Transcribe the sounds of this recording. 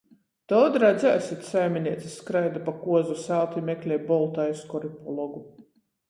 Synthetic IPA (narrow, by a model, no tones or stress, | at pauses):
d̪̥ɔːd̪ɾad̪zʲasit̪ʲsajmʲinʲiɛt̪sʲisːkɾajd̪apakuɔzusalˠt̪imʲɛklʲɛjbɔlˠt̪ajuskɔɾipɔlˠɔɡu